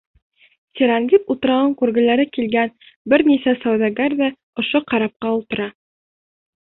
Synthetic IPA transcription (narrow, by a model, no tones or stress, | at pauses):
tʲeɾaŋɡʲip̪ut̪ɤ̆ɾɑwɤɴkuɾɡɘ̆læɾɘkilɡæn | bɘɾnisæsowd̪ɑɡard̪ɑ | ŏʃoqɑɾɑp̚qɑulˠt̪ɤ̆ɾɑ